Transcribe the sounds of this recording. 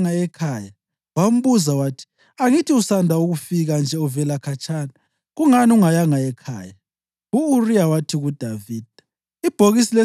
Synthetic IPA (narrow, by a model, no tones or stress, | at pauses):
ŋaɛkʰaːja | wam̩βuzawaːtʰi̥ | aŋitʰiusandʱauɣufiɣand͡ʒʱɛɔvɛlakʰat͡ʃʰʼaːna | ɣuŋaniuŋajaŋaɛkʰa̰ːja | ɣuːrijawatʰiɣud̥ʱaviːd̥ʱḁ | ib̥ʱoɣisilɛ